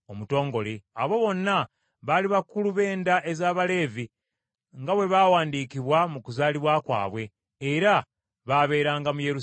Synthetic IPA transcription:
omuto̞ːŋɡo̞leaβo̞βo̞nːa | βaliβakuluβe̞ːndaʔe̞zaːβale̞ːvi | ŋɡaβwe̞βawaːndikiβwamukuzaːliβwakwa̰ːβwe̞ː | ɾa | βaβe̞ːɾaːŋɡamuje̞ɾu

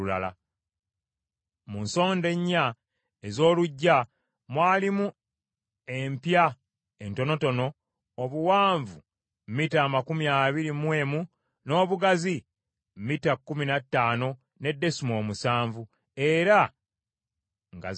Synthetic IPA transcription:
ulala̰ | munso̞ːnde̞ɲːa | ezo̞ːluɟːa | mwaːlimu | empja | ento̞no̞to̞no̞ː | βuwaːɱvu | mmitaːmakumiaːβiɾimwe̞ːmu | no̞ːβuɡazi | mmitakːuminatːaːno̞ | ne̞dːe̞simo̞ːmusaːɱvu | e̞ɾa | ŋɡa̰

